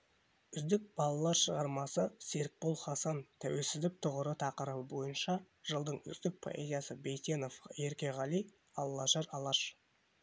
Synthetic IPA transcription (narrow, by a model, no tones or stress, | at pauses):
ʏzd̪ɪk̚b̥ɑlˠɑlˠɑɾʃəʁɑɾmɑsəse̞ɾk̚bolˠχɑsɑnt̪ʰæwe̞lsɪzd̪ɪk̚t̪ʰʊʁəɾət̪ʰɑqəɾəbəbo̞jənʃɑ | ʒ̥əlˠd̪əɴʏ̰zd̪ɪk̚pʰo̞̰ʔezijɑsəbe̞jt̪e̞no̞fje̞ɾkʲe̞ʁɑlˠij | ɑlˠːɑʒɑɾɑlˠɑʃ